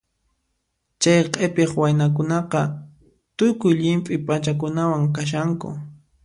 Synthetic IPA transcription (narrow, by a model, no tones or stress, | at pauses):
t͡ʃajqʼepeχwajnak̬ʊnɑqɑ | t̪ʊkʊjʎɪmpʼɪpʼat͡ʃak̬ʊnawaŋkaʃ̬aŋkʊ̰